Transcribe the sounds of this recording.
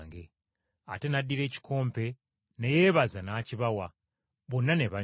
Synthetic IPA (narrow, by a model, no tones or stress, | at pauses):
ŋɡe | ate̞nadːiɾe̞ːci̥kʰo̞ːmpe̞ | neje̞ːβazanaːciβawa | βonːane̞βa